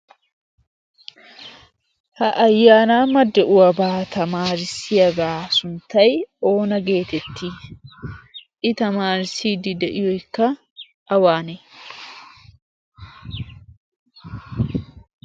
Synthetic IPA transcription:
hɐʔɐjːaːnaːmɐd̪ːɛʔʊɐbaːt̪ɐmaːɾɪsɪɐɡaːsʊnt̪ɐjo̞ːnɐɡe̞ːt̪ɛt̪ːi | ʔɪt̪ɐmaːɾɪsiːd̪ɪd̪ɛʔɪjɔɪkːɐ | ʔɐwaːnɛ

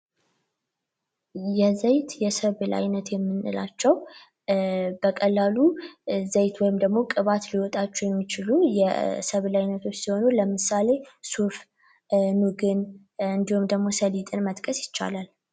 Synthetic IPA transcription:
jɛzəjt̪jɛsəβla̰jnət̪jɛmːɨnːɨ̰lat͡ʃːɛw | b̥əkʼəlːaluzəjt̪wɔjɪmd̪əɡmo̞kʼɨβat̪liwɔt̪ʼat͡ʃːɛjɛmːit͡ʃɪlujɛsəβlajnət̪ʰo̞t͡ʃːsiho̞nuləmɨsale̞suf | nuɡɨn | ɨnd̪ihumd̪əɡmo̞səlit̪ʼɨnmət̪ʼkʼəsjɪt͡ʃːa̰lal

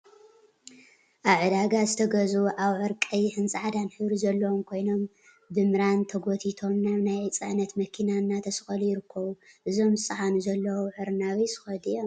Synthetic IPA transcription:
ʔaβʕɨd̪aɡazɨt̪ʰɐɡɐzuʔaβʕɨɾkʼɐjħɨnt͡sʼaʕad̪anħɨβɾizɐlːɐwomkʰo̞jno̞m | bɨmɨɾant̪ʰɐɡot̪ʰit̪ʰo̞mnaβnajt͡sʼɨʕnɐt̪mɐkʰinanːat̪ʰɐsxʼɐlujɪɾɨkʰːɐβuʔɨzo̞mzɨt͡sʼɨħanuzɐlːɐwoħɨɾɨnaβisɨ̥xɐd̪ijːom

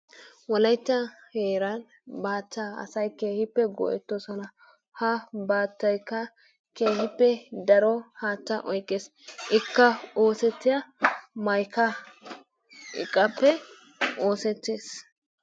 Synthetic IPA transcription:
wɔlɐjtːɐheːɾɐn | baːtːaɐ̰sɐjke̞ːhɪpːɛɡɔ̰ʔɛt̪ːɔsɔnɐ | hɐbaːt̪ːɐjkːɐ | keːhɪpːɛd̪ɐɾɔhaːt̪ːɐʔɔjkʼːeːs | ʔɪkːɐo̞ːsɛt̪ːɪjɐmɐjkɐ | ɪ̰kʼːɐpːɛ | oːsɛt̪ːeːs

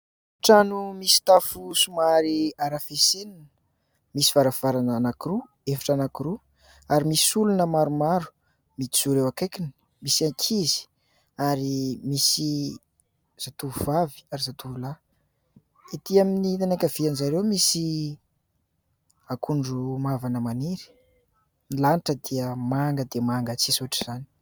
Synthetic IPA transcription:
ʈ͡ʂanumisi̥t̪afusumaɾiaɾafesenin | misi̥vaɾav̥aɾananakiɾu | efḁʈ͡ʂanakiɾu | aɾimisiulunəmaɾumaɾu̥ | mit̪i̥z̥uɾewakekini̥ | misiaŋkʰizi̥ | aɾimisi | z̥at̪uvavi̥aɾizat̪uula | it̪iaminit̪anakʲəvianizaɾewmisi | akʰuɳɖ͡ʐumavanəmaniɾi̥ | nilaniʈ͡ʂəd̪iəmaŋɡəd̪eəmaŋɡət͡sisuɦaʈ͡ʂi̥z̥ani̥

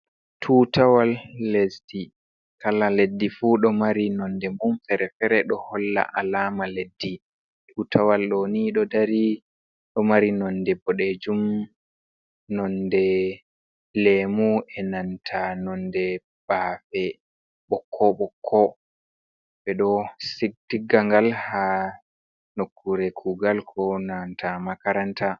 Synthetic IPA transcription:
tʰutawalːesdi | kalaledːifuɗɔmaɾinɔndɛmumfɛɾɛfɛɾɛɗɔhɔlːa̰ʔalaːmaledːi | tʰuːtʰawalɗoniɗɔdaɾi | ɗɔmaɾinɔndɛbɔɗed͡ʒum | nɔndɛ | lemuɛnantʰanɔndɛ | b̥afɛ | ɓɔkʰːɔɓɔkʰːɔ | bɛɗɔsiɡ̚diɡaŋɡalha | nokːuɾɛkʰuɡalkʰɔnantʰamakaɾanta

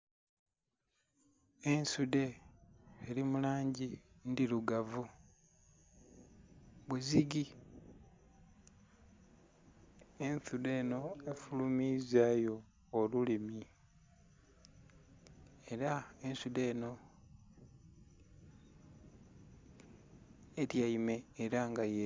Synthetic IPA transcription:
e̞nsude̞ː | ɾimulaːɲɟindiluɡavu | βuziɡi | enθude̞ːno̞e̞fulumizaːjo̞ː | lulimi | e̞ɾae̞nsude̞ːno̞ | eɾjaime̞ːɾaŋɡaje

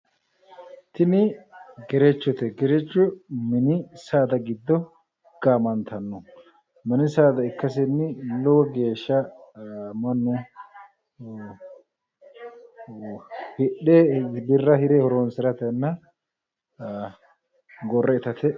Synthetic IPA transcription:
t̪ɪnɪɡɛɾɛt͡ʃːɔt̪ɛɡɛɾɛt͡ʃːʊmɛnɪsaːd̪ɐɡɪd̪ːɔ | ɡ̥aːmɐnt̪ɐnːɔ | mɛnɪsaːd̪ɐɪkːɐs̬ɪnːɪlɔwɔɡe̞ːʃːɐ | mɐnːʊ | hɪɗebɪrːɐhɪɾɛhɔɾoːnsɪɾɐt̪ɐnːɐ | ɡɔrːɛɪt̪ɐt̪ɛ

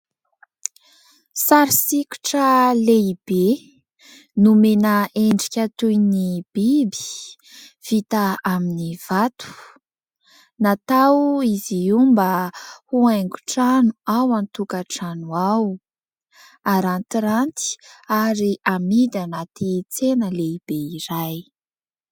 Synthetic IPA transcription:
saɾisikʲu̥ʈ͡ʂəleib̥e | numenəeɳɖ͡ʐikʲat̪ujnib̥ibi̥ | v̥it̪aaminiv̥at̪u̥ | nat̪awiziumbəhuajŋɡu̥ʈ͡ʂanuawant̪ukaʈ͡ʂanuaw | aɾant̪iɾant̪i̥aɾiʔamid̪anat̪it͡senəleib̥eiɾaj

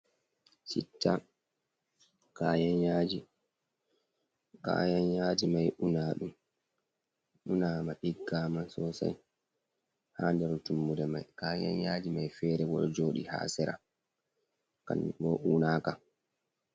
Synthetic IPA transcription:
sitːa | kaːjanjaːd͡ʒi | ka̰janjaːd͡ʒimajʔunaɗum | ʔunaːmaɗiɡːaːmansɔsa̰j | handɛɾtumːudɛmajkaːja̰njaːd͡ʒimajfɛːɾɛbɔɗɔd͡ʒoːɗḭha̰ːsɛɾa̰ | ka̰nːḭbɔʔuːnaka

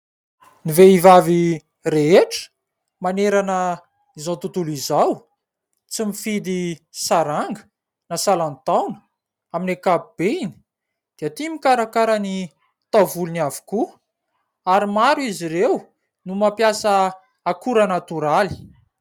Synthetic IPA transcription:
niveivavi | reeʈ͡ʂə̥ | maneɾanə | izawt̪ut̪ulizaw | t͡simifid̪isaɾaŋɡə̥ | nasalanit̪awnə̥ | aminekabub̥eini̥ | d̪̥iat̪imikaɾakaɾani | t̪avuluniavu̥ku | aɾimaɾuiziɾew | numapjasə | akuɾanat̪uɾali̥

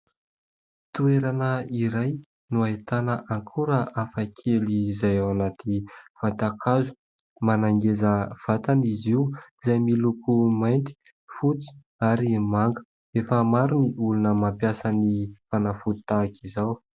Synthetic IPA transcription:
t̪ueɾanəiɾaj | nuaet̪anəʔaŋkʰuɾəʔafakʰelizajawanat̪iv̥at̪akʰazu̥ | manaŋɡezəv̥at̪aniziw | zajmilukumajnt̪i̥ | fut͡si̥ | aɾimaŋɡə̥ | efəmaɾuniʔulunəmampjasənifanafu̥t̪akizaw

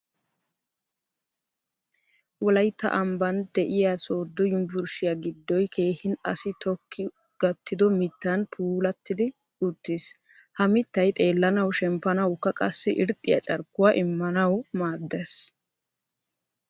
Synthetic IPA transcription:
wɔlɐjt̪ːɐ̰ʔɐmbɐnd̪ɛʔɪjaso̞ːd̪ːɔjʊmbʊɾʃɪjaɡɪd̪ːɔjkʰe̞ːhɪnɐ̰sɪt̪ɔkʰːɪ | ɡ̥ɐt̪ːɪd̪ɔmɪt̪ːɐnpʰuːlɐt̪ːɪd̪ɪ | ʊt̪ːɪs | hɐmɪt̪ːɐjt̪ʼe̞ːlːɐnɐwʃɛmpːɐnɐwkːɐkʼɐsːɪʔɪɾt̪ʼːɪjɐ̰t͡ʃʼɐɾkːʊwaːʔɪmːɐnɐwmaːd̪ːɛs

